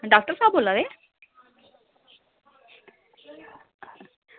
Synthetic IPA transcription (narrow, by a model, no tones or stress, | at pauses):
ɖaːk̚ʈəɾsaːb̚boːlad̪e